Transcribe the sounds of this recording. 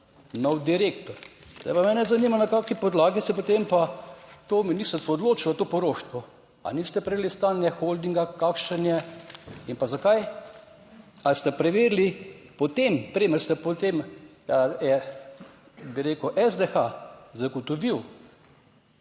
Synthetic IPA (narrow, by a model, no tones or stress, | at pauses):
nɔwd̪iɾeːkt̪ɔɾ | z̥d̪a̰jpamɛnɛzaniːmanakaːkipɔd̪laːɡisɛpot̪empat̪ominist̪ɾtsʋɔːd̪loːt͡ʃilzɐt̪oːpɔɾoːʃt̪ʋɔ | a̰nist̪ɛpɾɛʋelist̪aːnjɛxold̪iŋɡakaːkʃɛnjɛinpazakaj | alst̪ɛpɾɛʋeɾlipot̪empɾiməɾst̪ɛpot̪em | ɛ | biɾeːkʊʔɛzd̪ɛxazaɡot̪ɔʋiw